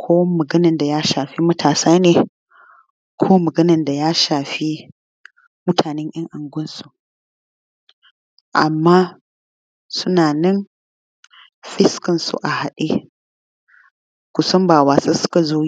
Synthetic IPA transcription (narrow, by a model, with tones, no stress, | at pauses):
kʷʰoː˦wmɐ˨ɡɐ˦nɐ˨nda˨jaː˦ʃaː˨ɸi˦mɐ˦tʰaː˨saː˦neː˨ | kʷʰoː˦mɐ˨ɡɐ˦nɐ˨nda˨jaː˦ʃaː˨ɸi˦ | mʊ˦tʰaː˨nɛ˦ɲʔɐ˦ŋʔa˨ŋɡʷʊ˦nsu̥˨ʔ | ʔa̰˨mːaː˦ | sʊ˦naː˨nɛ˦n | ɸɪ˦skɐ˨nsṵ˨ʔa˨ha˨ɗeː˦ | kʷʊ˨sɔ˦mbaː˨waː˨se˦sʊ̥˦ka˨zoː˦ji˦